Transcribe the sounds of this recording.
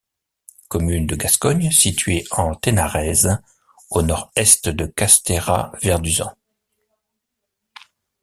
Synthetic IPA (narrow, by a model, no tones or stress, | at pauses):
kɔmynd̪əɡaskɔɲsit̪ɥeɑ̃t̪enaʁɛz | onɔʁɛst̪d̪əkast̪eʁa̰vɛʁd̪yzɑ̰̃